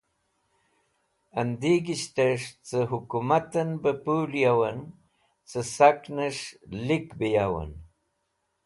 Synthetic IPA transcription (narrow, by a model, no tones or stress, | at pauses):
and̪iɡiɕt̪aʂt͡səɦukumat̪ənbəpuljawən | t͡səsaknəʂlikbijawə̰n